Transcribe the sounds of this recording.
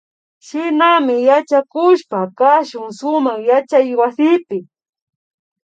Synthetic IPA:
ʃɪnamɪjat͡ʃakʊʃpakaʃʊŋsʊmaχjat͡ʃajwasɪpɪ

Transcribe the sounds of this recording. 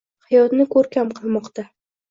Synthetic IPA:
hajɒt̪nɪkʰɵɾkʲamqʰɨlˠmɒqt̪a

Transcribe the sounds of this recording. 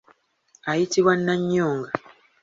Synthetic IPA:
ajitiβwanːaɲːoːŋɡa

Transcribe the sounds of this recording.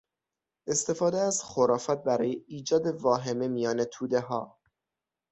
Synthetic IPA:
ʔe̞st̪e̞fɒːd̪eæzxoɾɒːfæt̪̚bæɾɒːjeiːd͡ʒɒːd̪e̞vɒːɦe̞me̞mijɒːnet̪ʰuːd̪e̞ɦɒː

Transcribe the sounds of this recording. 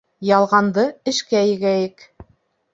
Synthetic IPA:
jɑlˠʁɑnd̪ɤɘ̆ʃkæjɘ̆ɡæjɘk

